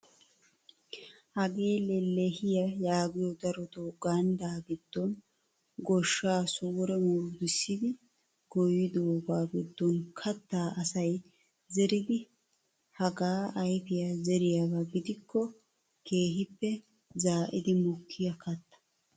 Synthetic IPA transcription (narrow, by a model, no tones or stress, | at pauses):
hɐɡe̞ːlɛlɛhɪjɐjaːɡɪjɔd̪ɐɾɔt̪oɡɐnd̪aːɡɪd̪̥ːɔn | ɡɔʃːaːsuːɾɛmuːɾd̪ɪsːɪd̪ɪ | ɡ̥ɔjɪd̪oːɡaːɡɪd̪ːɔnkʰɐt̪ːaːʔɐsɐj | zɛɾɪd̪ɪ | hɐɡaːʔɐjfɪjazɛɾɪjabɐɡɪd̪ɪkːɔ | ke̞ːɦɪpːɛ | zaːʔɪd̪ɪmʊkʰːɪjɐkɐt̪ːɐ̥